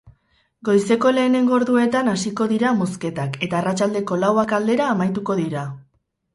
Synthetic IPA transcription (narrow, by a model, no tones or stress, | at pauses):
ɡo̞jse̞ko̞le̞ːne̞ŋɡo̞ɾðue̞t̪anasiko̞ðiɾamoske̞t̪ake̞t̪aːrat͡ʃald̪e̞ko̞lawakald̪e̞ɾaːmajt̪uko̞ðiɾa